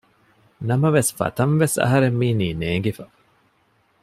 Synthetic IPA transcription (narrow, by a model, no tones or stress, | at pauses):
nɐmɐʋesfɐ̰t̪ɐnʋesɐ̰ɦɐɾemːiːniːneːŋɡifɐ